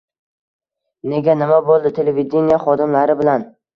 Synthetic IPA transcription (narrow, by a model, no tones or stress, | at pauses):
ne̞ɡʲanɪmabolˠd̪ɪt̪ʰe̞leved̪ʲe̞nijaχɒd̪ɪmlaɾɪbɪlan